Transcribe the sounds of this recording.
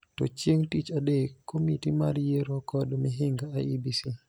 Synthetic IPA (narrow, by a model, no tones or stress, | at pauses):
tɔ̰t͡ʃjeŋtit͡ʃaɗekʰːomitimaɾjeɾokɔdɔmiɦɪŋɡaajibisi